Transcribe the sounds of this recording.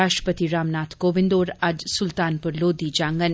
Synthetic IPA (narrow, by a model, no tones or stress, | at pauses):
aːʃʈɾə̥pət̪iɾaːmnaːt̪ʰkoːʋɪ̃nd̪oːɾɐd͡ʒsʊlt̪aːnpʊɾloːd̪id͡ʒãːŋɡən